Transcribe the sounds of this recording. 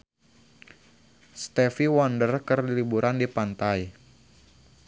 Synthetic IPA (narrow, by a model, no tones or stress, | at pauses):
st̪ɛfiwɔndərkərlibuɾʔandipant̪aj